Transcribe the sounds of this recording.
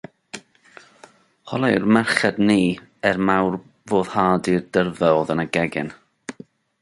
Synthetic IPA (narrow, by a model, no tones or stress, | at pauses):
hɔlˠɛrmɛrχɛdniːɛrmawr | voːð̥haːdirdərvɛlðənaɡɛɡɪ̰n